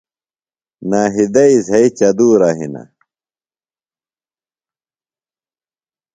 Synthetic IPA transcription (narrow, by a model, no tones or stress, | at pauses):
naːɦid̪ɐizɦɐit͡ɕɐd̪uːɾaːɦḭna̰